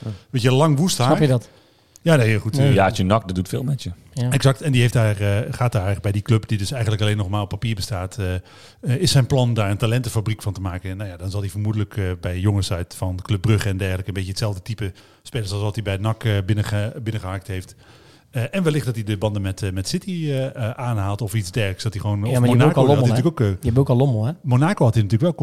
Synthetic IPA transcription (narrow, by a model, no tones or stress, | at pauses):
ʋejəlɑŋʋusthaːnpjədt | jaːnejxutjasjənɑk̚ddutfɪ̰ːlˠmɛtjə | ɛksɑktɛndiɦejfdaːrχaːt̚daːbɛjdikløpdidɵsɛjxəntləkɑleːnɔχmaːlˠɔpːapiːɹbəstaːtə | ɪsːɛjnplɑndaːɹəntalɛntəfabrikfɑntəmaːkənnawjadɑnzɑlˠdivəɹmudələkʰbɛjjɔŋəsœɥtfɑnkløp̚brøχɛndɛɹχələkənbejətsɛlˠvdətipə | speːləsɔlˠsɔtibɛjnɑkbɪnəəbɪnəχəhɑk̚tɦejft | əʔɛnʋɛlɪχtdɑtidəbɑndəmɛtmɛtsɪtiəaːnɦaːlˠtɔfitsdɛɹksdɑtiχəʋownɔfmonaːkoinyːəkokboklomlɛmonaːkohɑtinatyːləkʋɛlˠ